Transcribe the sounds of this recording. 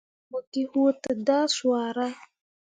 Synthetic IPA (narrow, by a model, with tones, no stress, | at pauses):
mə˨ki˦hu˦tə˨da˦swa˨ɾa˦